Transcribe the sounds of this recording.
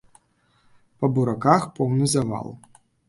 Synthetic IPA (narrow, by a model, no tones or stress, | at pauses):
pɐbuɾakaxpɔwnɨzava̰lˠ